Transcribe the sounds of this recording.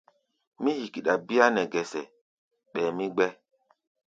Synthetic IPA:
mĩ˦hi˨ki˨ɗa˨bi˦a˦nɛ˨ɡɛ˨sɛ˨ | ɓɛː˨mi˦ɡ͡bɛ˦

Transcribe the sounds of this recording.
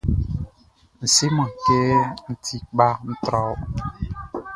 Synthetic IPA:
n̩˨si˦mɔ̃˨ke˦n̩˨tʰi˨k̚ɓa˧˦n̩˦t̪ɾɔ˨˦w

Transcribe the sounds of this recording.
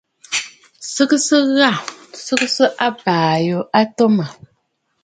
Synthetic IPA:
sɨ˦ksɨ˦ɣa˦˨sɨ˦ksɨ˦ʔa˦baː˨jo˨ʔa˦to˦ma˨

